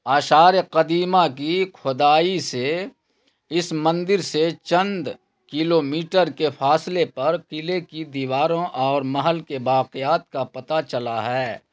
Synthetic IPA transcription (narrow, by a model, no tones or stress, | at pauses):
aːʃaːɾeqɐd̪iːmakikʰʊd̪aːise | ɪsmɐ̃nd̪ɪɾset͡ʃɐ̃nd̪ | kɪloːmiːʈəɾkefʰaːslepɐɾkɪlekid̪iːʋaːɾõʔɔːɾmɐɦəlkebaːqɪjaːt̪̚kapɐt̪at͡ʃɐlaɦɛː